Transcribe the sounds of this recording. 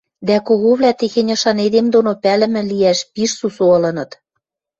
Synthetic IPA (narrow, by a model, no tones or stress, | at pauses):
d̪ækoɣoβlæt̪exenʲɤ̆ʃɑned̪emd̪onopælɘ̆mɘ̆liæʃpiʃsusoɤ̆lɤ̆nɤ̆t̪